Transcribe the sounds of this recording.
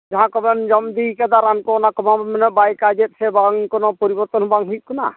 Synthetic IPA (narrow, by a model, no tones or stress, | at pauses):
d͡ʒaɦãkɔbɛnd͡ʒɔmd̪ikad̪aɾankɔɔnakɔmabɛmɛnɔbajkad͡ʒɛt̪̚sʰɛbaŋkɔnɔpɔɾibɔɾt̪ɔnhɔbaŋɦujʔ̚kɔna̰